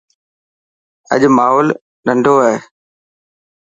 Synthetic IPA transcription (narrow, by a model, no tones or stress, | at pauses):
ə̰ʄmaːɦoːl | ɗə̃ɳɖʱoaɦeː